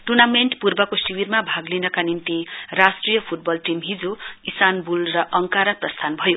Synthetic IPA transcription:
ʈurnameɳʈpurbʌkosiwirmabʱaɡlinʌkanint̪irasʈrijʌpʰuʈ̚bʌlʈimɦid͡zoisanbulrʌʔʌŋkaɾaprʌst̪ʰanbʱʌjo

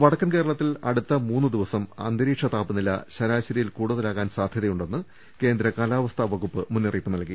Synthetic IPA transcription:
ʋɐɽɐkːɐnke̞ːɾɐɭɐt̪ːilɐ̰ɽut̪ːɐmuːnːɨd̪iʋɐsɐmɐ̰nd̪ɐɾiːʈʂɐt̪aːpːɨnilɐ̰ɕɐɾaːɕɐɾijilkuːɽuðɐlaːɣaːnsaːd̪ʱjɐðɐjuɳɖe̞nːɨ | ke̞ːnd̪ɾɐkaːlaːʋɐst̪ʰɐʋɐɣupːɨmunːiriːp̪ːɨnɐlki

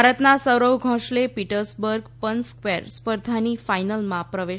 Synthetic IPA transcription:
aɾət̪nasəwɾəwɡʱɔ̃ʂlepiʈəɾsbəɾɡpənskʋeɾspəɾd̪ʱaniːfajnəlmãpɾəʋe

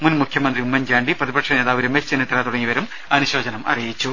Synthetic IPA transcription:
munmukʰjɐmɐnd̪riumːɐɲd͡ʑaːɳɖiprɐðibɐkʂɐneːðaːʋuɾɐmet͡ɕt͡ɕenːɐt̪ːiɾaːt̪uɽɐŋːiʋɐɾum | ɐnuɕoːd͡ʑɐnɐmʔɐ̰rijit͡ɕːu

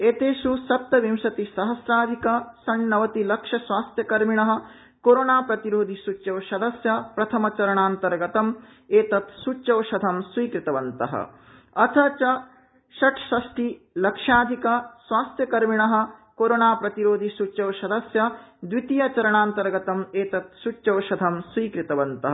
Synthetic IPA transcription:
eːt̪eːʃusɐp̚t̪ɐʋimʃɐt̪isɐɦɐsɾaːd̪ʱikɐsɐɳːɐʋɐt̪ilɐkʂɐsʋaːst̪ʰjɐkɐɾmiɳɐɦɐ̆ | koːɾoːnaːpɾɐt̪iɾoːd̪ʱisut͡ʃːɐwʃɐd̪ʱɐsjɐpɾɐt̪ʰɐmɐt͡ʃɐɾɐɳaːnt̪ɐɾɡɐt̪ɐm | eːt̪ɐt̪sut͡ʃːt͡ʃɐʋʃɐd̪ʱɐmsʋiːkɾit̪ɐʋɐnt̪ɐ̰ɦɐ̰ | ɐt̪ʰɐt͡ʃɐ | ʃɐʈʰʃɐʃʈʰi | lɐkʂaːd̪ʱikɐsʋaːst̪jɐkɐɾmiɳɐɦɐ̆koːɾoːnaːpɾɐt̪iɾoːd̪ʱisut͡ʃɐwʃɐd̪ʱɐsjɐd̪ʋit̪ijɐt͡ʃɐɾɐɳaːnt̪ɐɾɡɐt̪ɐmeːt̪ɐt̪̚sut͡ʃːɐwʃɐd̪ʱɐmswʋiːkɾit̪ɐʋɐnt̪ɐɦ

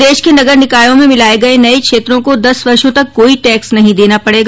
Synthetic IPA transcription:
d̪eːʃkenɐɡəɾnɪkaːjõmẽmɪlaːeɡɐenɐikʃeːt̪ɾõkod̪ɐsʋɐɾʃõt̪ɐkːoːiʈɛːksnɐɦĩd̪eːnapɐɽeːɡ

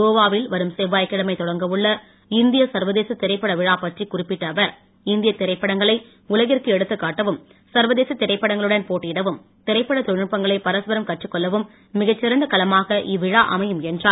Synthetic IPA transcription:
oːʋaːʋɪlʋɐɾɯmseːʋːaːjkːɐɭɐmɐɪt̪ɔɽɐŋɡɐʋɯɭːɐ | ɪnd̪ɪjɐsɐɾʋɐðeːsɐt̪ːɪɾɐɪpːɐɽɐʋɪɻaːpɐʈrikʊrɪpːɪʈːɐːʋɐɾ | ɪnd̪ɪjɐt̪ːɪɾɐɪpːɐɽɐŋɡɐɭɐɪ | ʊlɐɣɪrkɯɛɽɯt̪ːɯkːaːʈːɐʋɯm | sɐɾʋɐðeːsɐt̪ːɪɾɐɪpːɐɽɐŋɡɐɭɯɽɐnpoːʈːɪjɪɽɐʋɯm | t̪ɪɾɐɪpːɐɽɐt̪ɔɯpːɐŋɡɐɭɐɪpɐɾɐsʋɐɾɐmkɐʈrɯkːɔlːɐʋɯmː | ɪɣɐt͡ʃːɪɾɐnd̪ɐkɐlɐmaːɣɐʔiʋɪɻaːʔɐmɐjɯmɛndraː

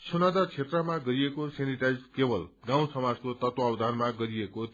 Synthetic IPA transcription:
sunad̪at͡sʰet̪rʌmaɡʌɾiekoseniʈajd͡zkebʌlɡãw̃sʌmad͡zkot̪ʌt̪woawd̪ʱanmaɡʌɾieko

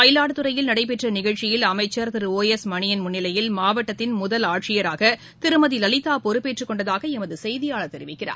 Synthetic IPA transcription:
pɐjɪlaːɽɯt̪ːɯɾɐjɪlnɐɽɐɪp̬ːɛʈrɐnɪɣɐɭt͡ʃɪjɪlɐmɐɪt͡ʃːɐɾt̪ɪɾɯoːjɛsmɐɳɪjɐnmʊnːɪlɐjɪlmaːʋɐʈːɐt̪ːɪnmʊðɐlaːʈʂɪjɐɾaːɣɐ | t̪ɪɾɯmɐðilɐlɪt̪ːaːpɔɾɯpːeːʈrɯkːɔɳɖɐðaːɣɐɛmɐðɯsɛjðɪjaːɭɐt̪ːɛɾɪʋɪkːɪra̰ː

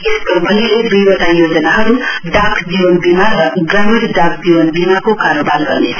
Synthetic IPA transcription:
eskəbʱəɦiled̪ujbəʈajoːd͡ʒənaɦʌɾuɖakʰd͡ʒiʋənbimaɾɡəmiɾɖak̚ʰd͡ʒiʋənbimakokaɾobalɡʌ̰ne

